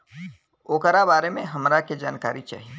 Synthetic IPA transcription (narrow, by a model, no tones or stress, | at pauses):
oːkəɾabaːɾemẽɦɐmɾaked͡ʒaːnka̰ːɾit͡ʃa̰ːɦie